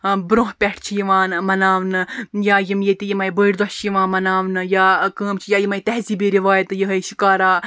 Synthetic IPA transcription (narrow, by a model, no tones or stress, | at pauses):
bɾõːɦpʲɛʈʰt͡ʃʰijiʋaːnmɐnaːʋnɨjaːjimjet̪ijimɐjbəiɾd̪ɐt͡ʃʰjiʋãːnmɐnaːʋnɨjaːkəːmt͡ʃʰijaːjimɐjt̪ɛɦziːbiɾiʋaːjt̪jɨɦɐjʃikaːɾaː